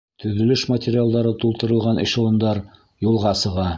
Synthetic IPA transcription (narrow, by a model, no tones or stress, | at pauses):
t̪ɵ̆ðɵ̆lɵʃmɐtʲɪɾʲɪalˠd̪ɑɾɤt̪ulˠt̪ɤ̆ɾɤ̆lˠʁɑnɤ̰̆ɕŏlˠɤ̆nd̪ɑɾ | julˠʁɑsɤ̆ʁɑ